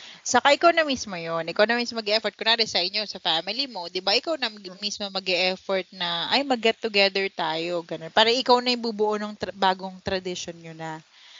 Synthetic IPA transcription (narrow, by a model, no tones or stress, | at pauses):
sɐkaʔɪkawnɐmiːsmojonʔɪkawnɐmismomɐɡɛʔɛfɔɹt̪kʊnɐɾɪsaɪnosɐfaːmɪlimo̞d̪ɪbaʔɪkawnɐmɐɡmiːsmomɐɡɛʔɛfoɹt̪̚nɐʔɐjmɐɡɛt̪ːʊɡɛd̪ɛɹt̪aːjo̞ɡɐnonpaːɾɐʔɪkawnɐjʊŋbubʊʔonʊŋbaːɡoŋt̪ɾɐd̪ɪʃonɲonɐ